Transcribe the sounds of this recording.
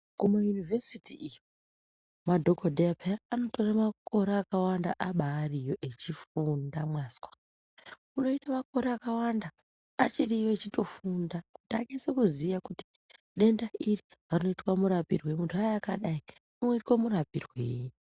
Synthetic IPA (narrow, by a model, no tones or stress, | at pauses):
kumajunivesitiijo | madʱokodʱeapʰeaːno̞to̞ramako̞ɾeːkawandaʔaɓaːrijo̞ʔe̞t͡ʃifundamwaːskwḁ | uno̞itamako̞ɾeakawandaː | t͡ʃirijoet͡ʃito̞fundaku̥tiaɡesekuzijakuti̥ | ɗe̞ndaʔiriarino̞itwamuɾapirwe̞muntʰuajːkaɗai | unoitwamurapirwḛːj